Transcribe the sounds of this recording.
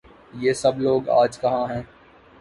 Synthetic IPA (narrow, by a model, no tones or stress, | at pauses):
jeːsɐbloːɡa̰ːd͡ʒkɐɦãɦɛ̃ː